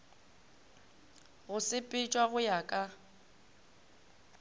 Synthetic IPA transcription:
ɣʊsɪpʼɪt͡ʃʼwaɣʊjakʼa

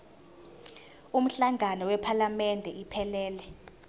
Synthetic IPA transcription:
um̩ɬaŋʱanɔwɛpʰalamɛndʱɛʔipʰɛlɛːlɛ

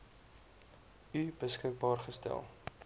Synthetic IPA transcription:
ybəskək̚bɑːrχəstæ̰lˠ

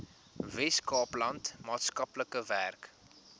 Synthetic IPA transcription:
vɛskɑːplɐntmɑːtskɐpləkəværk

